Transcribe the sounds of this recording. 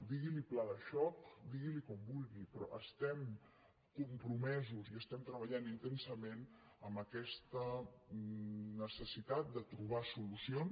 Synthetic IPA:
d̪iɣiliplaðəʃɔkd̪iɣilikɔmbulˠɣipɾɔ̰ʔəst̪ɛm | kumpɾumɛzuziəst̪ɛmt̪ɾəβəʎanint̪ensəmen | əməkɛst̪ə | nəsəsit̪at̪̚d̪ət̪ɾuβ̞asulusion

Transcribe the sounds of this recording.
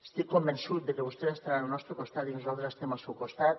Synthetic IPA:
e̥st̪ikkombensut̪̚d̪ekeβost̪eest̪aɾanunɔst̪ɾokost̪at̪inozalˠt̪ɾest̪emawsewkost̪at̪

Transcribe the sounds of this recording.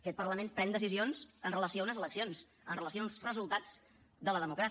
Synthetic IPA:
əkɛt̪̚pərləmenpɾɛnd̪əsizionzənrələsioəunəzələksionz | ənrələsiounzrəzulˠt̪ad͡z | d̪ələðəmukɾas

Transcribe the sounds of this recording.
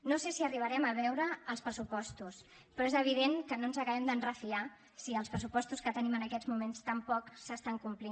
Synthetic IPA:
nosesiəriβəɾɛməβ̞ɛwɾəːlˠspɾəsupɔst̪us | pɾɔezəβ̞iðeŋkənonzəkəβɛmd̪ənrəfia | siəlˠspɾəsupɔst̪uskət̪ənimənəkɛd͡zmumenst̪əmpɔksəst̪aŋkumpli

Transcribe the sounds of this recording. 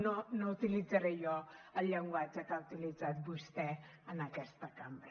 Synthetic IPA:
nonout̪ilid͡zəɾɛjɔəʎəŋɡwad͡ʒəkaut̪ilid͡zat̪̚bust̪ɛənakɛst̪əkambɾə

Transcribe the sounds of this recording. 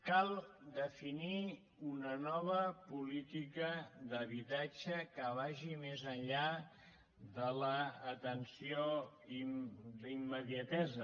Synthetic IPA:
kalˠ | d̪əfini | unənɔβ̞əpulit̪ikəðəβit̪ad͡ʒəkəβaʒimezənʎa | ðələːt̪ənsio | imd̪imːəðiət̪ɛzə

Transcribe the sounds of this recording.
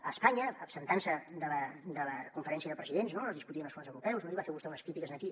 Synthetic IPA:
əspaɲəːpsənt̪ansəd̪ələd̪ələkuɱfəɾɛnsiəðəpɾəziðenznonozðiskut̪iənəlˠfonzəwɾupɛwsnmot̪iβafeɾβust̪ɛunəskɾit̪ikəznət̪i

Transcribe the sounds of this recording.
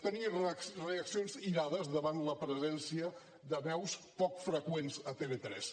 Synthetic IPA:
t̪ənireəksionziɾaðəzðəβanləpɾəzɛnsiə | ðəβɛwspɔkfɾəkwenzət̪elet̪ɾɛ̰s

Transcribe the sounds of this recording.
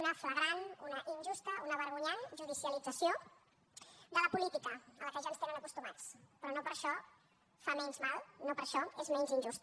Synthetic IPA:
unəfləɣɾanunəʔinʲʒust̪əunəβəɾɣ̞uɲanʒuð̞isiəlid͡zəsjo | d̪ələpulit̪ikəələkəʒanst̪enənəkust̪umat͡spɾɔnopəɾʃɔ | famɛnzmalˠnopəɾʃɔezmɛnzinʲʒust̪

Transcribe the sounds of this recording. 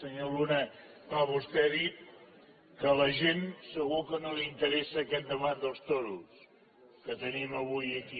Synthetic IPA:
səɲolunə | paβust̪ɛəðit̪̚ | kələʒensəɣukənoliint̪əɾɛsəːkɛt̪̚d̪əβand̪əlˠst̪oɾus | kət̪əniməβujəki

